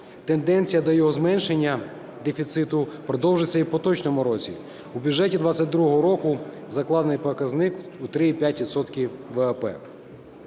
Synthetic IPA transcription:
t̪e̞nd̪ɛnʲt͡sʲijɐd̪ɔjɔɦɔzmɛnʃe̞nʲːɐ | d̪efʲit̪sɪt̪ʊpɾɔd̪ɔwʒet͡sʲːɐipɔt̪ɔt͡ʃnɔmʊɾɔt͡sʲḭ | ubʲudʒɛtʲid̪ʋɑt͡sʲːɐt̚ʲd̪ɾuɔɦɔɾɔkʊ | zɐklˠɑd̪nɪjpɔkɐznɪkut̪ɾɪipʲjatʲʋʲid̪sɔt̪kʲiʋɛɐpɛ̰

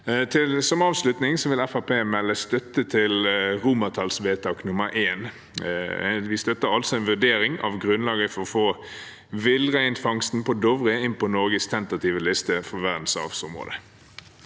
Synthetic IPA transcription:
t̪ʰɪlsɔməɑːʋslʉt̪nɪŋsɔʋɪlɛfæpʰeːmɛlːəst̪œt̪ːət̪ʰɪlʁuːmət̪ʰɑlsʋeːt̪ʰɑːknʊməɾʔeːn | ʋɪst̪œt̪ːəɾɑlsɔɛnʋʉd̪eːɾɪŋɑ̰ʋɡɾʉnlɑːɡəfɔʁɔfoː | ʋɪlʁæɪnt̪fɑŋst̪n̩pʰɔd̪ɔʋʁɪəɪnpɔnɔɾɡəst̪ʰɛnt̪ɑt̪ʰiːʋəlɪst̪əfɔʋæʁd̪n̩sɑ̰ʋsʊmʁo̰ːd̪ə

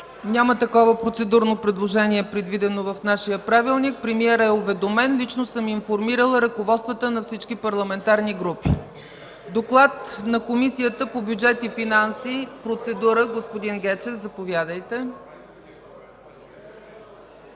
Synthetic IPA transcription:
nʲamət̪ɐkɔvəpɾot̪sɛd̪uɾnopɾɛd̪lˠoʒɛniɛpɾɛd̪vid̪ɛnovɐfnaʃijəpɾavilˠnik̚pɾɛmiɛɾɛovɛd̪omɛnlit͡ʃnosɤminfoɾmiɾəlˠɾəkovɔt̪st̪vət̪ənɐfsit͡ʃkipɐɾlˠɐmɛnt̪aɾniɡɾupḭ | d̪oklˠat̪nɐkomisijət̪əpobʲjud͡ʒɛt̪ifinansipɾot̪sɛd̪uɾəɡospod̪inɡɛt͡ʃɛfzɐpovjad̪əjt̪ɛ

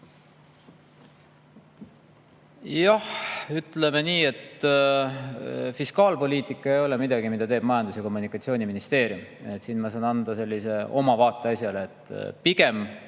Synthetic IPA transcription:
jɑhyt̪ːˑle̞meniːe̞t̪ | fiskɑːlpo̞lʲiːt̪ˑikːˑɑejo̞lɛmid̪̥ɑɡ̥imid̪ɑt̪eːb̥̚mɑjɑnd̪̥usjɑko̞mːunikːˑɑt̪sio̞ːniminist̪e̞ːɾjumet̪ːsiːnmɑsɑːnɑnd̪̥ɑse̞lːise̞ʔo̞mɑvɑːt̪ːˑe̞ɑsjɑleːt̪ːˑpiɡe̞m

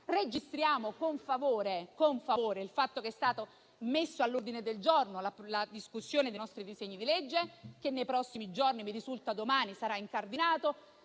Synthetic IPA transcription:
red͡ʒist̪ɾjaːmokoɱfavoːɾekoɱfavoːɾeilfat̪ːokeɛst̪aːt̪o | mesːoalːurd̪ined̪eld͡ʒornolalad̪iskusːjoːned̪ejnɔst̪ɾid̪iseɲːid̪iled͡ʒːek̟enːejpɾɔsːimid͡ʒornimiɾizult̪ad̪omaːnisaɾaiŋkard̪inaːt̪o

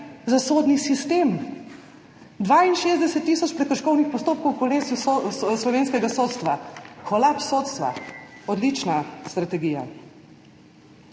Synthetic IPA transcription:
zasoːd̪nisist̪eːm | d̪ʋaːinʃeːzd̪ɛsɛt̪ːiːsɔt͡ʃpɾɛkɔɾʃkɔwnixpɔst̪oːp̚kɔwkɔleːsuslɔʋeːnskɛɡasoːt̪st̪ʋakɔlapsoːt̪st̪ʋa̰ɔd̪lit͡ʃnast̪ɾat̪ɛɡiːja̰

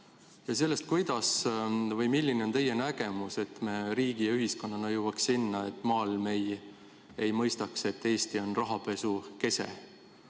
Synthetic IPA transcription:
jɑs̬e̞lːe̞st̪̚kujd̪̥ɑsvɤjmilʲːineo̞nt̪e̞jːenæɡ̥e̞muse̞t̪ːme̞ɾiːɡ̥ijɑyɦisko̞nːɑnɑjuwɑksinːɑe̞t̪ːˑmɑːlme̞j | ejmɤjst̪ɑkse̞t̪ːe̞ːst̪io̞nrɑɦɑpe̞suke̞se̞̰

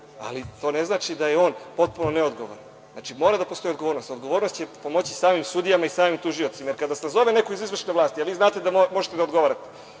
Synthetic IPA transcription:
a̰lit̪o̞ːneznaːt͡ʃid̪ajeo̞ːnpo̞t̪̚punoneod̪ɡo̞ʋo̰ɾan | zna̰ːt͡ʃimo̞ːɾad̪apo̞st̪o̞iod̪ɡo̞ʋoɾnost̪o̞d̪ɡo̞ʋo̞ːɾno̞st͡ɕepo̞mo̞t͡ɕi̥saːmimsud̪ijamaisaːmimt̪uʒijo̞t̪simajeɾkad̪asenazo̞ʋene̞koizizʋrʃne̞laːst̪ialʋiːznaːt̪e̞d̪amo̞ʒet̪ed̪aod̪ɡo̞ʋaːɾat̪e

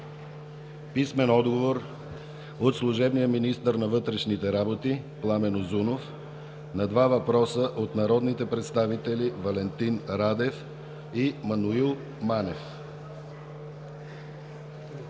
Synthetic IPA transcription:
pismɛnɔd̪ɡovoɾ | ot̪slˠuʒɛbnijəminist̪əɾnɐvɤt̪ɾɛʃnit̪ɛɾabot̪iplˠamɛnozunof | nɐd̪vavɐpɾɔsəʔot̪nɐɾɔd̪nit̪ɛpɾɛt̪st̪avit̪ɛlivɐlɛnt̪inɾad̪ɛf | imɐnuilˠ | manɛf

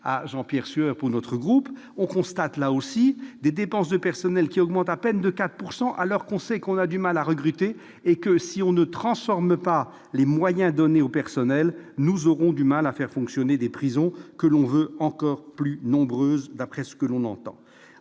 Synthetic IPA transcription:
a̰ʒɑ̃pjɛʁsɥœʁpuʁnɔt̪χəɡʁup | ɔ̃kɔ̃st̪at̪laosid̪ed̪epɑ̃s̬d̪əpɛʁsɔnɛlkʲiɔɡmɑ̃t̪apɛnd̪əkat̪χə̥puʁsɑ̃ʔalɔʁkɔ̃sɛkɔ̃nad̪ymalaʁəɡʁyt̪eː | kəsiɔ̃nət̪χɑ̃sfɔʁməpa | lemwajɛ̃d̪ɔneopɛʁsɔnɛlnuzɔʁɔ̃d̪ymalafɛʁfɔ̃ksjɔned̪epχizɔ̃kəlɔ̃vøɑ̃kɔʁplynɔ̃bʁøːzd̪apχɛsə̥kəlɔ̃nɑ̰̃t̪ɑ̰̃

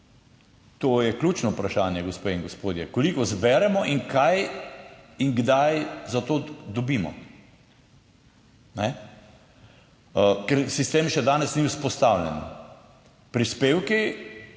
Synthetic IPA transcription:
t̪ojɛklʲuːt͡ʃnɔupɾaʃaːnjɛɡospeːiŋɡospoːd̪jɛkolikɔzbɛːɾɛmɔʔiŋkʰaj | iŋɡd̪ajzat̪oːd̪ɔbiːmɔ̰ | nɛ | kɛɾsist̪eːmʃɛd̪aːnɛsniwspɔst̪awlɛ̰n | pɾispeːwki

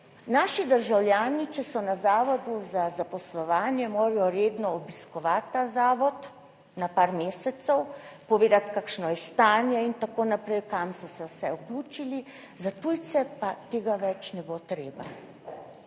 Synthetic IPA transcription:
naːʃid̪əɾʒawljaːnit͡ʃɛsɔnazaːʋɔd̪uzazapɔslɔʋaːnjɛmoːɾajɔɾeːd̪nɔɔbiskɔʋat̪ːazaːʋɔt̪ | napaːɾmeːsɛt̪sɛwpɔʋeːd̪at̪kakʃnɔjɛst̪aːnjɛint̪akoːnapɾɛjkamsɔsɛwsɛukluːt͡ʃili | zat̪ujt̪sɛpat̪eːɡaʋɛt͡ʃnɛbot̪ɾeːba̰

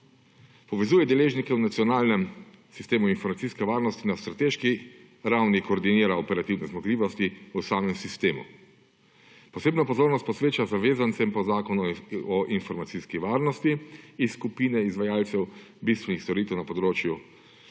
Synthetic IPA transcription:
pɔʋɛzuːjɛd̪ɛleːʒnikɛwnat̪siɔnaːlnɛm | sist̪eːmuinfɔɾmat̪siskɛʋaːɾnɔst̪inast̪ɾat̪eʃki | ɾawnikɔːɾd̪iniːɾaɔpɛɾat̪iwnɛzmɔɡliːʋɔst̪iusaːmɛmsist̪eːmṵ | pɔseːbnapɔzoːɾnɔst̪̚pɔsʋeːt͡ʃazaʋeːzant̪sɛmpɔzaːkɔnuɔʔinfɔɾmat̪siskiʋaːɾnɔst̪iːskupiːnɛizʋajaːlt̪sɛw | bist̪ʋɛnixst̪ɔɾiːt̪ɛwnapɔd̪ɾoːt͡ʃju

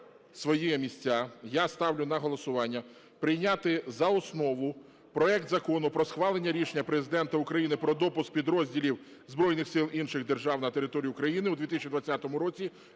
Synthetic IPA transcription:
sʋɔjijɛmʲisʲtʲːajast̪ɑwlʲʊnɐɦɔlˠɔsʊʋɑnʲːɐ | pɾɪjnʲat̪ɪzɐɔsnɔʋʊ | pɾɔɛkt̪zɐkɔnʊpɾɔsxʋɑlˠenʲːɐɾʲiʃenʲːɐpɾezɪd̪ɛnt̪ɐʊkɾɐjinɪpɾɔd̪ɔpʊsk̚pʲid̪ɾɔzʲdʲilʲiw | zbɾɔjnɪxsɪlˠʔinʃɪɣd̪erʒɑwnɐt̪eɾɪt̪ɔɾʲijʊkɾɐjinɪud̪ʋʲit̪ɪsʲt͡ʃʲid̪ʋɐt͡sʲːat̪ɔmʊɾɔt͡sʲi

